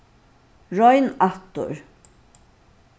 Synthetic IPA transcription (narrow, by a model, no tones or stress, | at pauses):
ɹɔjnaht̪ʊ̰ɹ